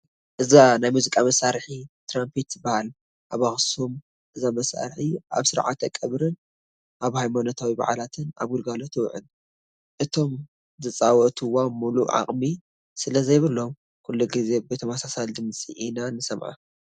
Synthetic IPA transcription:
ʔɨzanajmuzikʼamɐsaɾħit̪ʰɾampʰit̪bahal | ʔaβaxsom | ʔɨzamɐsa̰ɾħiʔa̰βsɨɾʕa̰t̪ɐkʼɐβɾɨn | ʔaβhajmanot̪ʰawiba̰ʕalat̪ʰɨna̰βɡʊlɡalot̪ʰɨwʕɨ̰n | ʔɨt̪ʰo̞m | zɨt͡sʼawɔt̪ʰɨwamuluʕa̰χʼmi | sɨlɐzɐjβɨlːo̞m | kʰulːuɡize̞bet̪ʰɐmasasald̪ɨmt͡sʼiʔinanɨsɐmʕa̰

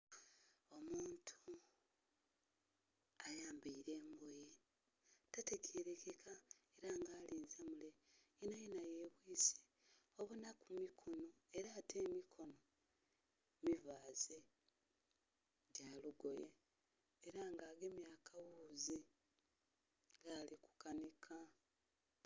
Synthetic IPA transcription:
o̞muːntʰu | ajaːmbiiɾe̞ːmboje | tatecʰeːɾe̞kekʰaeɾaŋɡaːliːnzemule̞inajenajeːβwiːse̥ | oβunakumikʰono̞eɾaːtʰe̞ːmikʰo̞no̞ | mivaːz̥e | ɟaːluɡo̞jḛː | ɾaŋɡaːɡemjaːkʰawuːzi | ɡaliku̥kanikʰa

